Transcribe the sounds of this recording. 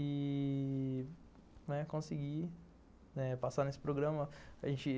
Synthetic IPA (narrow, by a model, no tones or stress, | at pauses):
ɪ | nɛkõsɪɡi | nɛpasanesɪ̥pɾoɡɾɐ̃mɐaʒẽt͡ʃɪ